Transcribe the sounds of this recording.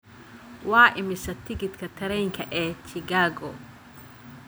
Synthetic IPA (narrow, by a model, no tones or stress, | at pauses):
waːʔɪmɪsɐt̪ʰɪɡɪt̪kʰɐt̪ʰɐɾɛjŋkʰɐʔɛːt͡ʃɪɡaːɡɔ